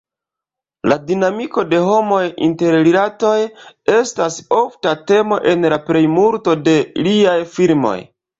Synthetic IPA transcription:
ladinamiko̞de̞ɦo̞mo̞jḭnte̞ɾlilato̞je̞staso̞ftate̞mo̞ʔe̞nlapɾe̞jmulto̞de̞liajfilmo̞̰j

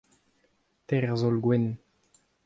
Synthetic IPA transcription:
t̪ɛʁzolɡwɛn

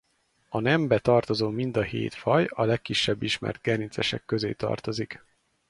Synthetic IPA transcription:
ɒnɛmbɛt̪ɒrt̪o̞zoːmind̪ɒhḛːt̪fɒjɒlɛkːiʃːɛbːiʃmɛ̰rd̪̚ɡɛnit̪sɛʃɛ̰kːøzḛːt̪ɒ̰rt̪o̞zik

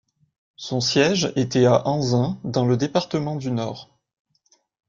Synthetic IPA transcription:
sɔ̃sjɛʒet̪ɛaʔɑ̃zɛ̃d̪ɑ̃ləd̪epaʁt̪əmɑ̃d̪ynɔːʁ

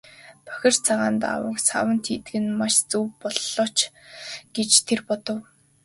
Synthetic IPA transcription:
pœ̥xʲɪ̆r̥t͡sʰaʁaːnt̪a̰wə̰̆ksa̰wə̆nt̪ʰiːt̪ɘɡɘ̆nmaʃt͡suwpɔɮːɔt͡ɕ | ɡ̥et͡ɕt̪ʰerpɔt̪ɞ̆w

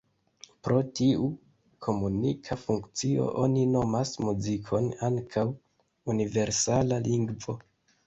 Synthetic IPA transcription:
pɾo̞tiu | kʰo̞munikʰafuŋkt͡sio̞̰ʔo̞nino̞masmuzikʰo̞naŋkʰaw | unive̞ɾsalaliŋɡvo̞

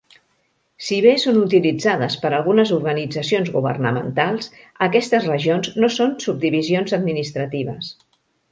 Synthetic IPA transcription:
siβesonut̪ilid͡zaðəspəɾəlˠɣunəzuɾɣənid͡zəsionzɣuβə̰rnə̰mə̰nt̪alˠs | əkɛst̪əzrəʒionznosonsub̚d̪iβizionzəd̪minist̪ɾət̪iβ̞ə̰s

